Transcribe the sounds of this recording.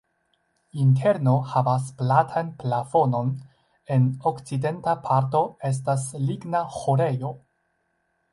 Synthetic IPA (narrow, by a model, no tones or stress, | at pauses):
intʰe̞ɾno̞havas̬platʰanplafo̞no̞n | e̞no̞kt͡side̞ntapʰaɾto̞e̞s̬tasliɡnaxoɾe̞jo̞